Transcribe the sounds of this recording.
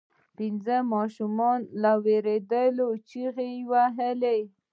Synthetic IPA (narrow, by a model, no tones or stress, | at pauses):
pinzəmɑʃumɔnlaweɾed̪əlot͡ʃiɣewaɦəle